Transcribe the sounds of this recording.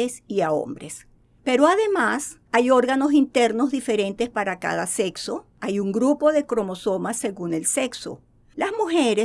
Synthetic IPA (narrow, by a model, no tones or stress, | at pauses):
esiao̰mbɾes | pe̞ɾo̞aðe̞mas | ajo̞ɾɣano̞s̬int̪e̞ɾno̞zðife̞ɾẽ̞nt̪e̞spaɾaka̰ðase̞kso̞ | ajuŋɡɾupo̞ðe̞kɾo̞mo̞so̞masːe̞ɣune̞lse̞kso̞̰ | lazmuxeɾe